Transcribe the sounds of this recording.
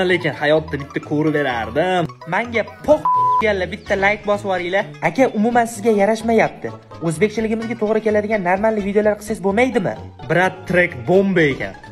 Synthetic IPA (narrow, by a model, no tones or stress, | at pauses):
lekʲɪnhajɒt̪ːabɪt̪ʰːakʰoɾɪbe̞ɾaɾd̪ɪmaŋɡʲapʰoqt̪ɡʲallabɪt̪ʰːalajkbɒswɒɾɪjlaakʲaʔʊmʊmansɪzɡʲajaɾaʃmajap̚t̪ʰɪ | ɵzbe̞kʲt͡ʃʰɪlɪɡʲɪmɪzɡʲat̪ʰoʁɾɪkʲe̞lad̪ɪɡʲanːaɾmalːɪvid̪eolaɾqʰɨ̥sezbomajd̪ɪmɪ̰bɾat̪t̪ːɾekʲbombaekʲa̰n